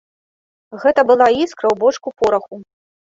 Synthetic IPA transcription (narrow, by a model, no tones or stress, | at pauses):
ɣɛt̪ɐbɨlˠaiskɾɐwbɔt͡ʂkupɔɾɐxu